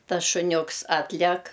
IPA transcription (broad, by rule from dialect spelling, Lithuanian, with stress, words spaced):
ˈtɐs ʃʊˈnʲʊks ˈɑːtʲlʲɛk